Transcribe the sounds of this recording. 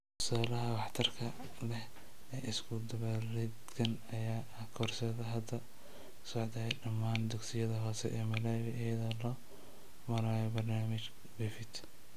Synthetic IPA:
ʊ̥saːlɐɦɐwɑħt̪ʰɐrkʰɐ | lɛh | ɛʔɪskʰʊd̪ɐβɛlɛd̪kʰɐn | ɐjaː | ɐkʰɔrsɛðɐɦɐd̪ɐ | sɔʕd̪ɐɛɖɐmːaːnd̪ʊɡsɪjɐðɐɦɔːsɛʔɛːmɐlɛːwɪʔɐjɐðɔːlɔː | mɐɾaːjɛbɐrnaːmɪt͡ʃ | bɪfɪt̪

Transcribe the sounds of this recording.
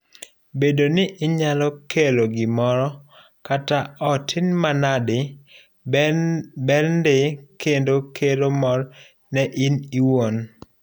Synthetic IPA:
bedonɪʔɪɲalɔkeloɡɪmɔɾɔ | kataɔtʰɪnmanadɪ | bɛlndɪkendokʰelomɔɾ | nɛʔiniwon

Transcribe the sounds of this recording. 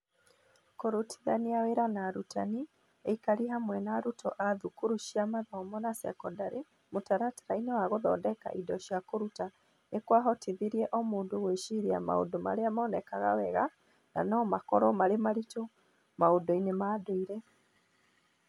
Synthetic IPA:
koɾotʰi̥ðaniaweɾanaɾutʰani | eikaɾiɦamwɛnaɾutʰɔʔaðukoɾuʃiamaðamɔnasɛ̰kɔndaɾe | motaɾatḁɾainewaɣoðɔ̰dɛka̰ʔidɔʃiakoɾuta | nekwaɦɔteðiɾiɛʔɔmoːndoɣweʃiɾia̰ma̰o̰doma̰ɾeamaɔnɛkaɣa̰wɛɣa | na̰nɔmakɔɾɔmaɾemaɾito | maodɔinemaːdoiɾɛ

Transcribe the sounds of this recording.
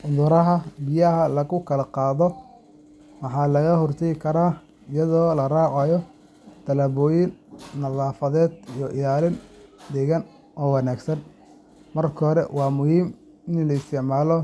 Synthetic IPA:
ʔʊðʊɾɐɦɐbɪjɐɦɐlɐɣʊkʰɐlɐqɑːðɔ | mɑħɑːlɐɣɐhɔrt̪ʰɐjɪkʰɐɾaː | ɪjɐðɔːlɐrɑːʕɑjɔ | t̪ʰɐlɐːβɔːjɪnːɐðɑːfɐðɛːd̪iijɔʔɪjaːlɪnd̪ɛɣɐn | ʔɔːwɑnaːɡsɐn | mɐrkʰhɾɛ̰wɑːmʊhiːm | ɪnlɐɪst̪ɛʕmaːlɔ

